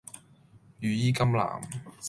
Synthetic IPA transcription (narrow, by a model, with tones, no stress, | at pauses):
jyː˨jiː˥kɐ˥mla̰ː˨˩m